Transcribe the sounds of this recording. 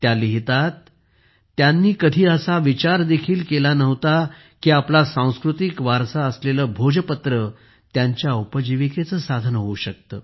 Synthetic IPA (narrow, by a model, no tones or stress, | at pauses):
t̪jaliɦit̪at̪ː | janːiːkəd̪ʱiːəsaʋit͡ɕaɾd̪ekʰiːlkelanəʋt̪a | kiːaplasãw̃skɾut̪ikʋaɾsaəsleləːbʱod͡ʑəpət̪ɾə | t̪jaɲt͡ɕjaupəd͡ʑiʋiket͡səːsad̪ʱənəɦouɕək̚t̪əː